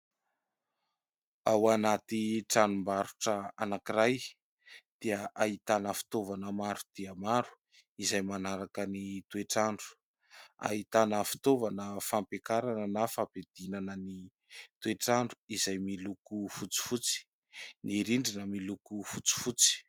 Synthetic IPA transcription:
awanat̪iʈ͡ʂanumbaɾuʈ͡ʂəa̰nakiɾaj | d̪̥iəʔaɦit̪anəfi̥t̪ovanəmaɾud̪̥iəmaɾu̥ | izajmanaɾakənit̪ueʈ͡ʂaɳɖ͡ʐu̥ | a̰ɦit̪anəfi̥t̪ovanəfampekaɾanənafaped̪̥inanəni | t̪ueʈ͡ʂaɳɖ͡ʐuizajmilukufut͡si̥fut͡si̥ | niɾiɳɖ͡ʐinəmilukufut͡si̥fut͡si̥

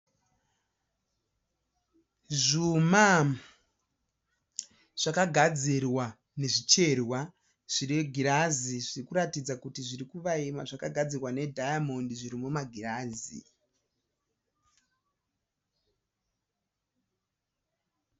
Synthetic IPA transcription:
ʐuma | ʐ̥akaɡʱad͡zirwa | ne̞ʐit͡ʃe̞rwa | ʐ̥iɾiɡʱiɾaziʐirikuɾatid͡zakutiʐiɾikuʋaima̰ʐakaɡʱad͡zirwane̞dʱajamondiʐiɾimumaɡʱiraːzḭ

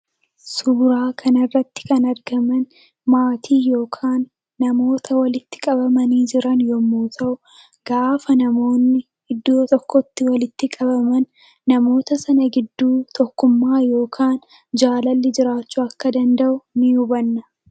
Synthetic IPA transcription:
suːɾaːkʰɐnɐrːɐt̪ːɪ̥kɐnɐɾɡɐmɐn | maːt̪ʰiːjo̞ːkʰaːnː | ɐmo̞ːt̪ʰɐwɐlɪt̪ːɪ̥kʼɐbɐmɐniːd͡ʒɪɾɐnjɔmoːt̪ʰɐʔʊ | ɡ̥aːfɐnɐmo̞ːnːɪ | hɪd̪ːoːt̪ʼɔkːɔt̪ːɪwɐlɪt̪ːɪkʼɐbɐmɐnː | ɐmo̞ːt̪ɐsɐnɐɡɪd̪ːuːt̪ʰɔkːʊmːaːjo̞ːkʰaːn | d͡ʒaːlɐlːɪd͡ʒɪɾaːt͡ʃːʊɐkːɐd̪ɐnd̪ɐʔʊnɪʊbɐnːɐ

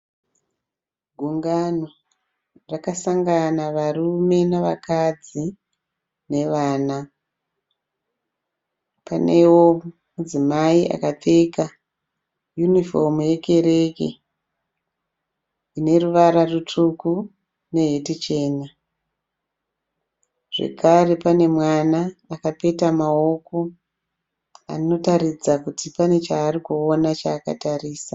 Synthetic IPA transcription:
ɡʱuŋɡano | rakasaŋɡanaʋaɾume̞neʋakad͡zi | ne̞ʋaːna | pa̰ne̞wo̞mud͡zimaiʔa̰kateka | junifomuje̞ke̞ɾe̞kḛ | ine̞ruʋaɾarut͡ʂuku | ne̞ɦetit͡ʃe̞ːna | ʐ̥e̞̰kʰare̞pane̞mwanaːkape̞tamao̞ko̞ | a̰nino̞taɾid͡zakutipane̞t͡ʃaːrikuonat͡ʃaːka̰tariːsa

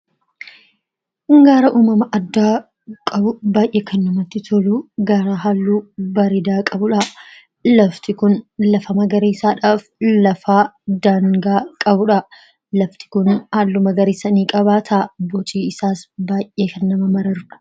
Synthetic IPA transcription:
ŋɡaːɾɐʔuːmɐmɐʔɐd̪ːaː | kʼɐbʊbaːʔeːkʰɐnːɐmɐt̪ːɪt̪ʰɔluːɡaːɾaːɦaːlːuːbɐɾeːd̪aːkʼɐbʊᶑɐ | lɐft̪ɪkʊnlɐfɐmɐɡɐɾeːsaːᶑaːflɐfaːd̪aːŋɡaːkʼɐbʊᶑɐ | lɐft̪ɪ̥kʊnhaːlːʊmɐɡɐɾeːsɐniːkʼɐβaːt̪ʰaːbɔt͡ʃʼiːɪsaːsbaːʔʔeːkɐnːɐmɐmɐɾɐɾᶑɐ̥

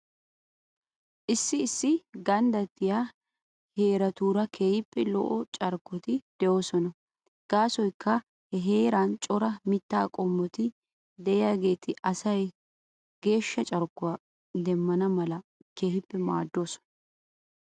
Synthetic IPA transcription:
ʔɪsːɪːsːɪɡɐnd̪ɐt̪ːɪjaː | he̞ːɾɐt̪uːɾɐkʰe̞ːhɪpːɛlɔ̰ʔɔt͡ʃʼɐɾkːɔt̪ɪd̪̥ɛʔo̞ːsɔnɐ | ɡ̥aːsɔjkːɐ | hɛɦe̞ːɾaːnt͡ʃʼɔɾɐmɪt̪ːaːkʼɔmːɔt̪ɪ | d̪ɛʔɪjaːɡe̞ːt̪ʰɪʔɐsɐj | ɡ̥e̞ːʃːɐt͡ʃʼɐɾkːʊaː | d̪ɛmːɐnɐmɐlɐ | keːhɪpːɛmaːd̪ːo̞ːsɔ̥nɐ

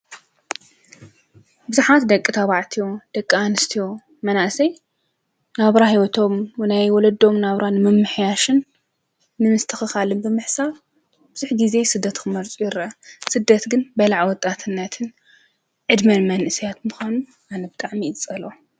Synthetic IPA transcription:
bɨzuħat̪d̪ɐkʼːɨt̪ʰaβaʕt̪ʰijo̞d̪̥ɐkʼːɐanɨst̪ʰijo̞ | mɐnaʔsɐj | naβɾahiwɔt̪ʰo̞mwnajwɔlɐd̪o̞mnaβɾanɨmɨmːɨħjaʃɨnː | ɨmɨst̪ʰɐxɨxalɨnbɨmɨħsaf | bɨz̥uħɡize̞sɨd̪ːɐt̪kʰɨmɐɾt͡sʼujɪɾʔɐsɨd̪ːɐt̪ɡɨnbɐlaʕwɔt̪ʼat̪ʰɨnːɐt̪ʰɨn | ʕɨd̪mɐnmɐnʔɨsijat̪mɨxʷanu | ʔanɐbɨt̪ʼaʕmit͡sʼɐlo

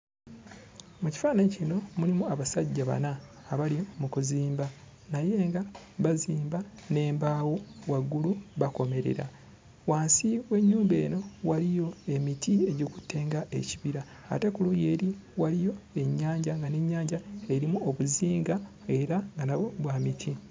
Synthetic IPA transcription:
muci̥faːnaɲcino̞mulimuaβasaɟːaβa̰naː | βalimukuziːmba | naje̞ːŋɡa | βaziːmbane̞ːmbaːwo̞waɡːuluβako̞me̞ɾḛɾa̰ | waːnsiwe̞ɲːuːmbe̞̰ːno̞walijo̞e̞mitie̞ɟiku̥tʰːe̞ːŋɡaʔe̞̰ciβiɾa̰ː | te̞kuluje̞ːɾiwalijo̞e̞ɲːaːɲɟaŋɡane̞ɲːaːɲɟaeɾimuoβuziːŋɡa | e̞ɾaŋɡanaoβwaːmitʰi

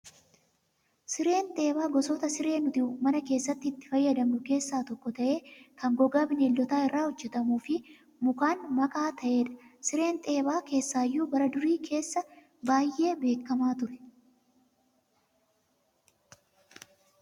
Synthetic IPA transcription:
sɪɾe̞ːnt̪ʼe̞ːbaːɡɔsɔt̪ɐsɪɾe̞ːnʊt̪ɪʊmɐnɐke̞ːsːɐt̪ːɪːt̪ːɪ̥fɐjːɐd̪ɐmʊke̞ːsːaːt̪ɔkːɔt̪ɐʔe̞ːkɐŋɡɔɡaːbɪneːlːɔt̪aːɪrːaːhɔd͡ʒːɛt̪ɐmuːfɪ | mʊkaːnmɐkʼaːt̪ɐʔe̞ːᶑɐ̥sɪɾe̞ːnt̪ʼe̞ːbaːke̞ːsːaːjːuːbɐɾɐd̪ʊɾiːkʰe̞ːsːɐ | baːjʔːe̞ːbe̞ːkːɐmaːt̪ʊɾɛ̥

